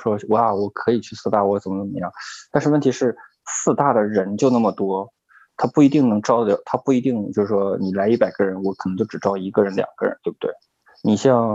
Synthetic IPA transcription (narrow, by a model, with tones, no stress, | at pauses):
ʂwɔ˥wɔ˧˩a˥˩wɔ˨˩kʰɤ˧˥i˨˩t͡ɕʰy˥˧sɹ̩˥˧t̪a˥˩wɔ˧˥t͡sə˨˩nmə˦nə˨˩mə˧˦jɑ˥˩ŋt̪a˥˧nʂɻ̩˥˧wə˥˩nt̪ʰi˧˥ʂɻ̩˥˩ | sɹ̩˥˧t̪a˥˩d̪ə˩ɻə˧˥nt͡ɕjo˥˧ʊna˥˩mə˩t̪wɔ˥ | t̪ʰa˥pu˥˩i˧˥t̪i˥˩ŋnɤ˧˥ŋʈ͡ʂɑ˥˩ljɑ̰˨˩t̪ʰa˥pu˥˩i˧˥t̪i˥˩ŋt͡ɕjo˥˧ʂɻ̩˥˩ʂwɔ˥ni˨˩la˧˥ɪi˥˩pa˨˩ɪɡə˧ɻə˧˥nwɔ˧˥kʰə˨˩n˧˥t͡ɕo˥˧˩ʊʈ͡ʂɻ̩˨˩ʈ͡ʂɑ˥ʊi˧˥ɡə˧ɻə˧˥nljɑ̰˨˩ŋɡ̥ə˦˩ɻə̰˧˥nt̪we˥˩ɪb̚t̪wḛ˥˩ɪ | ni˨˩ɕjɑ˥˧ŋ